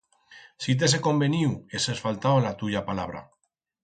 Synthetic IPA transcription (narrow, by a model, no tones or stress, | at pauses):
sit̪̬es̬eko̞mbeniwesesfalt̪awlat̪uʎapalaβ̞ɾa̰